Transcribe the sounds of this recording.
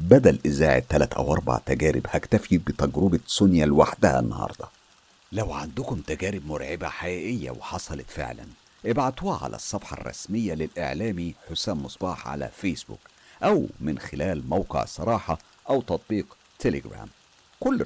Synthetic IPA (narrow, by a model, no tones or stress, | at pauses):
bæd̪ælʔɪzaːʕḛt̪ːælæt̪ʔæ̰wʔɑɾˤbɑ̰ʕt̪æɡæːɾɪ̰bhækt̪æfibɪt̪æɡɾubɑsʊnjælwaħd̪æhæ̰nːɑhɑ̰ːɾˤd̪ˤɑ | læwʕand̪ʊkʊmt̪æɡæːɾɪb̚mʊɾʕɪbæ̰ħajæːʔɪjːæ̰weħɑsˤɑlɑt̪fḛʕlæ̰n | ʔɪbʕat̪uːhʕa̰lʔæ̰sˤːɑfħɑ̰rˤːɑ̰smɪjːælɪlʔḛʕlæːmiħosæːmmʊsˤbɑːħʕa̰læ̰feːsbṵːk | ʔæwmɪnxɪlæːlmæwqḛʕsˤɑɾˤɑːħɑ | ʔæwt̪ɑt̪̚ˤbiːq | t̪eleɡɾæ̰ːm | kʊlː